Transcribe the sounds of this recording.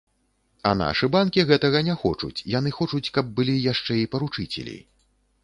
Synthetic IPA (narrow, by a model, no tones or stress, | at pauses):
ɐ̰na̰ʂɨbankʲiɣɛt̪ɐɣɐnʲɛxɔ̰t͡ʂṵt͡sʲjan̪ɨxɔt͡ʂut͡sʲkɐb̚ːɨlʲijaʂt͡ʂɛipɐɾut͡ʂɨt͡sʲɛ̰lʲḭ